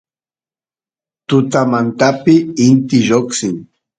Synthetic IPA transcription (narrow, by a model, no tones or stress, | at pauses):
t̪ʊt̪amant̪apɪɪnt̪ɪʒoksɪŋ